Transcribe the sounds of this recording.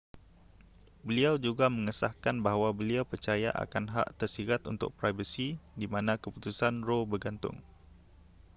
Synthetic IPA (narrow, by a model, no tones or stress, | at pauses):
bəliawd͡ʒuɡamə̃ŋəsahkanbaɦwabəliawpərt͡ʃaja̰ʔa̰kanɦa̰ʔt̪ərsiɾat̪ṵnt̪ʊ̰k̚pɾajvəsidimãnãkəput̪usanrobərɡant̪ʊ̰ŋ